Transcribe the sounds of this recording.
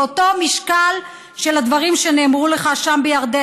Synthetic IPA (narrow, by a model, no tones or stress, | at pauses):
oto̞miʃkal | ʃelad̪vaʁimʃene̞ːmʁule̞χaʃambejaʁd̪e